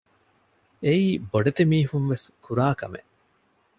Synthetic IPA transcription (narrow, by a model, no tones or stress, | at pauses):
eiːboɖet̪emiːɦunʋeskuɾaːkɐmḛʔ